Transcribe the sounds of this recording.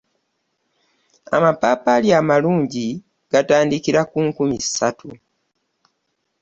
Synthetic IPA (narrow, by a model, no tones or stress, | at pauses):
a̰mapaːpaljamaluːɲɟi | ɡ̥ataːndikiɾakuŋkumisatʰṵ